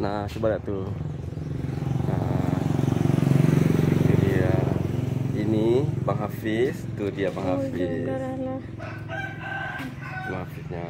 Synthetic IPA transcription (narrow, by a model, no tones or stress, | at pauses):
nasubaɾaʔt̪u | na | t̪udia | inibaŋafist̪udiabaŋɦafisala | maŋafisɲa